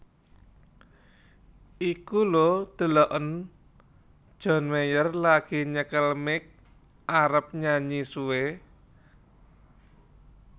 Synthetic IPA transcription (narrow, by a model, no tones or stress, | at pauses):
ʔikulod̪̥ə̤lɔʔən | d̥ʒ̥ɔ̤nmejərlaɡ̥i̤ɲəkəlmɪk̚ | aɾəp̚ɲaɲisuwe